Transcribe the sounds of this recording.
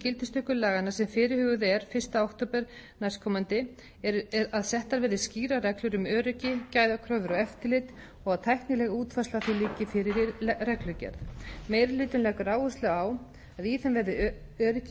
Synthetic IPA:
cɪlt̪ɪ̥st̪ʰʏkʏlaːɣanḁsɛmfɪːɾɪɾhʏːɣʏðɛɾ̥fɪr̥st̪aawht̪opɛɾ̥najskʰɔmant̪ɪ | ɛɾɾaðsɛht̪aɾvɪðɪsciːɾarɛklʏɾʏmœːɾʏcɪcaːjðakʰɾœvʏɾɔɣɛft̪ɪlɪt̪ | ɔɣaðt̪ʰajhknɪlɛːɣauːt̪faslaθilɪːcɪfɪɾɪɾɪɾrɛklʏcɛ̰ɾðmeːjɾlɪːt̪ʏnlɛːkʏɾaːwust̪lɛɣaw | aðiːθɛmvɛɾðɪ | œːɾʏc

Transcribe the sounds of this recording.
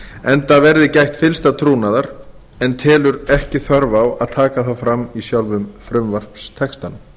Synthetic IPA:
ɛnt̪avɛɾðɪcajht̪fɪlst̪at̪ʰɾuːnaðaɾ̥ | ɛnt̪ʰɛːlʏɾɛhcɪθœɾvawaðt̪ʰaːkaθawfɾamːisjawlvʏmfɾʏmvar̥pst̪ʰɛkst̪an

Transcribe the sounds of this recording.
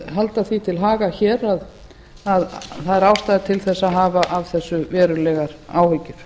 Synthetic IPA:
ɦalt̪aθit̪ʰɪlɦaːɣaçɛːɾað | aðθaðɛɾaːwst̪ajðɪt̪ʰɪlθɛsːaɦaːvaʔavθɛsːʏvɛːɾʏlɛɣaɾa̰ːwhʏcːɪɾ̥

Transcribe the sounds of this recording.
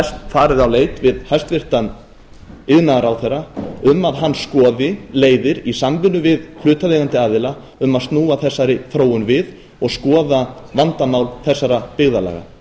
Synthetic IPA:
hast̪faːɾɪðawleːjt̪vɪðhajst̪vɪr̥t̪an | ɪðnaɾawθɛrːaʏmːaðɦanːskɔːðɪleːjðɪɾisamvʏnːʏvɪðkʰlʏːt̪aleːɣant̪ɪaːðɪla | ʏmaðst̪nuːaθɛsːaɾɪfɾoːwʏnvɪð | ɔɣskɔːðavant̪amawlθɛsːaɾapɪɣðala̰ːɣa̰

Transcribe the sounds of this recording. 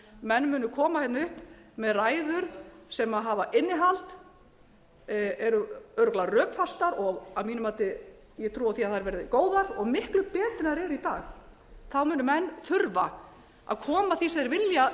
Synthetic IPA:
mɛnːmʏːnʏkʰɔːmaçjɛt̪nʏhpmɛðraːjðʏɾ̥sɛmaðɦaːvaʔɪnːɪɦalt̪ | ɛɾʏœɾʏklarœːpfast̪aɾɔɣamiːnʏmaːt̪ɪ | jɛt̪ʰɾuːaðθiaðθaɛɾvɛɾɪðɪkoːwðaɾɔɣmɪhklʏpɛːt̪ɪnaɾɛɾʏit̪a̰ːx | θawmʏːnʏmɛnːθʏɾva̰ | a̰ðkʰɔːmaθisɛðɾvɪlja

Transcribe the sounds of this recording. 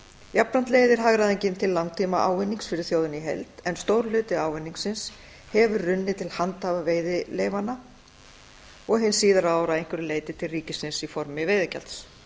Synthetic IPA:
japɾant̪leːjðɪɾ̥ɦaɣɾaðejɲcɪnt̪ʰɪlːawŋt̪ʰiːmaʔa̰ːwvɪnːiŋsfɪɾɪɾ̥θjowðʏniɦɛ̰lt̪ɛnst̪owɾlʏːt̪ɪaːwvɪnːiŋksɪns | hɛvʏrrʏnːɪt̪ʰɪlhant̪havaveːjðɪleːjvana | ɔɣɦɪnːsiːðaɾaːwɾaejŋ̥kʰvɪɾɪleːjt̪ɪt̪ʰɪlriːcɪsɪnsifɔɾmɪveːjðɪca̰lt̪s

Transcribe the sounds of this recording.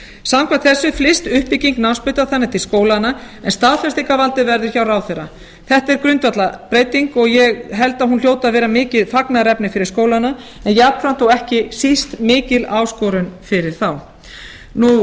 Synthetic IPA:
samkʰat̪θɛsːʏflɪst̪ʏhpiciŋknanspʏɥt̪aθanːɪt̪ʰɪlskoːwlana | ɛnst̪aðθɛst̪ikavalt̪ɪvɛɾðʏ̥çawrawθeɾːa | θɛht̪ɛɾ̥kɾʏnt̪vat̪lapɾeːjt̪iŋkɔɣjɛɣɦɛlt̪aðɦunl̥joːwt̪aðvɛːɾamɪːcɪðfaknaɾɛpnɪfɪɾɪɾ̥skoːwlanːa | ɛnjɛapn̥fɾamt̪owɛhcɪsist̪mɪːcɪlaːwskɔɾʏnfɪɾɪɾ̥θaw | nu

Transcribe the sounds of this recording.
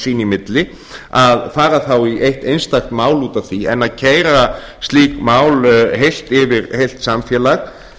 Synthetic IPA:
sinimɪt̪lɪ | aðfaːɾaθawiʔejht̪ejnst̪axt̪maːwluːt̪avθiɛnːaðcʰeːjɾa | st̪liːkmaːwlɦejl̥t̪ɪvɪɾhejl̥t̪samfjɛːlax

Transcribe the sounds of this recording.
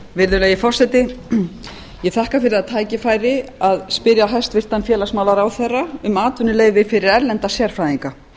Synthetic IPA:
vɪɾðʏlɛɣɪfɔr̥sɛt̪ɪ | jɛθahkafɪɾɪɾðaðt̪ʰaːjcɪfaːjɾɪaðspɪɾjaɦɛst̪vɪr̥t̪anfjɛːlasmaːwlaɾawθɛrːaʏmaːt̪ʰʏnːʏleːjvvɪfɪɾɪɾɛɾlɛnt̪asjɛɾ̥fɾaːjðiŋka

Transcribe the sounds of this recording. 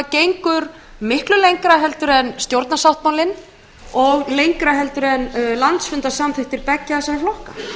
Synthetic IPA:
cejŋkʏɾ | mɪhklʏlejŋkɾaɦɛlt̪ʏɾɛnst̪jowɾt̪nasawht̪̚mawlɪn | ɔɣlejŋkɾaɦɛlt̪ʏɾɛnlant̪sfʏnt̪asamθɪht̪ɪɾpɛcːaɛsaflɔhka

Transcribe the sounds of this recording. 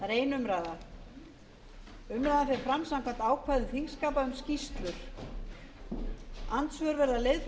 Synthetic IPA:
ɾeːjnʏmɾaːða | ʏmɾaːðafɪɾɪɾfɾamsãwmkʰam̥t̪aːwkʰvajðʏθiŋskaːpaʏmscist̪lʏɾ̥ | ant̪svœɾvɛɾðalej

